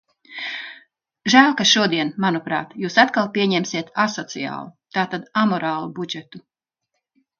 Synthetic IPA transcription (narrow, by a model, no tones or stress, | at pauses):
ʒæːlˠkaʃuɔd̪iɛnmanupɾa̰ːt̪juːsat̪̚kalˠpʲiɛɲɛmsiɛt̪asɔt̪sija̰ːlˠut̪aːt̪ad̪amɔɾaːlˠubud͡ʒɛt̪u